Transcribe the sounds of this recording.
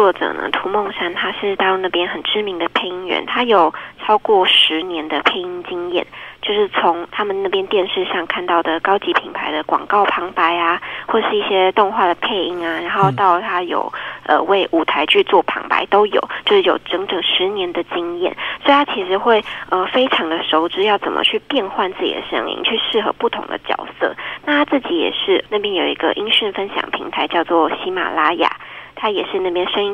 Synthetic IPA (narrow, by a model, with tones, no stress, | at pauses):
wɔ˥˩ʈ͡ʂɤ̰˨˩nə̰˦t̪ʰu˧˥mo˥˩ŋʂa˥˩nt̪ʰa˥ʂɻ̩˥˩t̪a˥˧˥na˥˩pjɛ˥nxə˨˩nʈ͡ʂɻ̩˥mi˧˥ŋd̪ə˨pʰe˥˩ɪi˥ŋɥɛ̰˧˦nt̪ʰa˥jo˨˩ʊʈ͡ʂʰɑ˥ʊkwɔ˥˩ʂɻ̩˧˦njɛ˧˥nd̪ə˨pʰe˥˩ɪi˧˥ŋt͡ɕi˥ŋjɛ̰˥˩nt͡ɕjo˥˧ʊʂɻ̩˥˩t͡sʰʊ˧˦ŋt̪ʰa˥mə˨na˥˩pjɛ˥nt̪jɛ˥˧nʂɻ̩˥˧ɕjɑ˥˧ŋkʰa˥˧nt̪ɑ˥˩ʊd̪ə˩kɑ˥ʊt͡ɕi˧˥pʰi˨˩ŋpʰa˧˥ɪd̪ə˧kwɑ̰˨˩ŋkɑ˥˩ʊpʰɑ˧˥ŋpa˧˥ɪa˧xwɔ˥˩ʈ͡ʂə˨˩ʂɻ̩˥˧i˥˩ɕjɛ˥t̪ʊ˥˧ŋxwa˥˩d̪ə˩pʰe˥˧ɪi˥˩ŋa˨ɻa˧˥nxo˥˧ʊt̪ɑ˥˩ʊt̪ʰa˥jo̰˨˩ʊʔə̰˧we˥˩ɪʔu˨˩t̪ʰa˧˥ɪt͡ɕʰy˥˧t͡swɔ˥˩pʰɑ̰˧˥ŋpa̰˧˥ɪt̪o˥ʊjo̰˨˩ʊt͡ɕjo˥˧ʊʂɻ̩˥˩jo̰˨˩ʊʈ͡ʂɤ˧˥ŋʈ͡ʂɤ˨˩ŋʂɻ̩˧˦njɛ˧˥nd̪ə˧t͡ɕi˥ŋjɛ̰˥˩nswɔ˧˥i˨t̪ʰa˥t͡ɕʰi˧˥ʂɻ̩˧˥xwe˥˩ɪə˧˩fe˥ɪʈ͡ʂʰɑ˧˥ŋd̪ə˧ʂo˧˥ʊʈ͡ʂɻ̩˥jɑ˥˩ʊt͡sə̰˨˩mə̰˦t͡ɕʰy˥˧pjɛ˥˧nxwa˥˧nt͡sɹ̩˥˩t͡ɕḭ˨˩d̪ə̰˨˩ʂə̰˥ŋḭ˥ŋt͡ɕʰy˥˧ʂɻ̩˥˩xɤ̰˧˦pu˥˩t̪ʰʊ̰˧˥ŋd̪ə̰˧t͡ɕjɑ̰˨˩ʊsɤ̰˥˩na˥˩t̪ʰa˥t͡sɹ̩˥˩t͡ɕi˧˥jɛ̰˨˩ʂɻ̩˥˧na˥˩pjɛ˥njo˨˩ḭ˧˥ɡə̰˧ʔi˥ŋɕy˥˩nfə˥nɕjɑ̰˨˩ŋpʰḭ˧˥ŋt̪ʰa˧˥ɪt͡ɕjɑ˥˧ʊt͡swɔ˥˩ɕi˧˥ma̰˨˩la˥ja̰˨˩˦t̪ʰa˥jɛ˨˩ʂɻ̩˥˧na˥˩pjɛ˥nʂə˥ŋi˥